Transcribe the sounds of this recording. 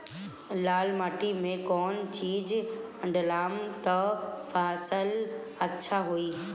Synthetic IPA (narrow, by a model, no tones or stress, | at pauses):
laːlmaːʈimẽkɔːnt͡ɕiːd͡ʑɐ̃ɳɖlaːmt̪ɐfaːsəl | ɐtːʃʰaɦuiː